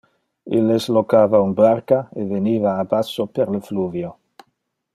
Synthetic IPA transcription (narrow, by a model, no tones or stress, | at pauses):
elezlokavaunbaɾkaeβeniβaːbasopeɾlefluvjo